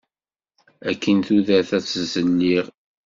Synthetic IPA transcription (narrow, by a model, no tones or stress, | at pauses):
ækːənθuðæθæt͡sːzənːiʁ